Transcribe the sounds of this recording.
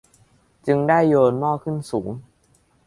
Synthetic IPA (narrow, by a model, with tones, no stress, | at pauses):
t͡ɕɯ˧ŋdaː˥˩jːoː˧nmɔː˥˩kʰɯ˥˩nsuː˩˦ŋ